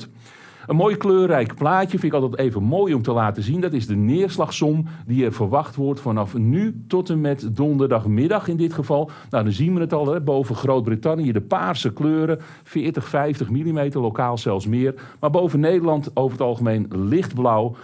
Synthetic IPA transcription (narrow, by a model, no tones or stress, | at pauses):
ənmoːjkløːrɛjkplaːcəfɪnɪkɑlˠtɛtejvənmoːjɔmtəlaːtəzindɑtɪzdənɪərslɑχsɔmdiɛrvərʋɑχtʋɔrtfɑnɑfnytɔtənmɛtdɔndərdɑχmɪdɑχɪndɪtχəvɑlˠ | nawdɑnzinʋənətɑlˠɛbowvəχrowt̚britɑnijədəpaːrsəkløːɾə | fɪːrtəχfɛjftəχmilimejtərlokaːlˠsɛlˠfsmɪːr | maːrbowvənːejdərlˠɑntowvərətɑlˠχəmejnlɪχtblaw